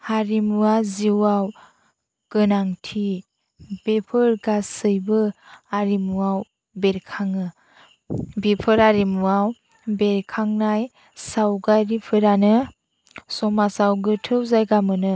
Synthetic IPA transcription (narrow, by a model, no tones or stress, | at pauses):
haɾimuaziwaw | ɡ̥ɯnaŋtʰi | b̥epʰɯɾɡasɯjbɯaɾimuaw | beɾkʰaŋɯ | bepʰɯɾaɾimuaw | beɾkʰaŋnaj | sawɡajɾipʰɯɾanɯ | sɔmasawɡɯtʰɯwzajɡamɯnɯ